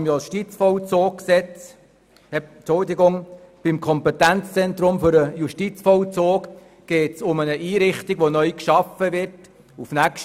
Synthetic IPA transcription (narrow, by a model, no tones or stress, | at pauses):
mjɔʃtit͡sfɔwt͡soːk̚ksɛt͡s | hɛt͡ʃʊldɪɡʊŋb̥imkʰɔmpɛt̪ænt͡st͡sɛnt̪ɾʊmfʏɾəjuʃtit͡sfɔwt͡soːk | ɡ̥eːtsʊmənəʔiːɾɪχtiɡʋonœʏkʃɑfəʋɪɾt | ufnækʃ